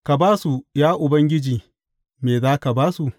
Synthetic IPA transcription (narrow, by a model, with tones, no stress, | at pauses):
ka˨baː˦su˨jaː˦ʔʊ˨bɐ˦ŋɡʲɪ˦d͡ʒiː˨ | meː˨zaː˦ka˨baː˦su˨ʔ